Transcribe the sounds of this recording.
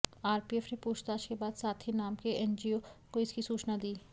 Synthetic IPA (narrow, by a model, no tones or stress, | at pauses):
aːɾpieːfɾepuːt͡ʃʰt̪aːʃkebaːd̪saːt̪ʰinaːmkeʔɛnd͡ʒiokoɪskisuːt͡ʃnad̪iː